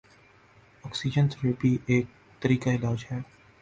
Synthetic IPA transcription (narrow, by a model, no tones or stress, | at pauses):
ɔːksid͡ʒə̃nsɾeːpiʔeːk̚ | t̪əɾiːkaɪlaːd͡ʒɦɛː